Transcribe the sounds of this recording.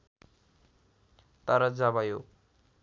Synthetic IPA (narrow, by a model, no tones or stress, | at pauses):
t̪ʌɾʌd͡zaβajo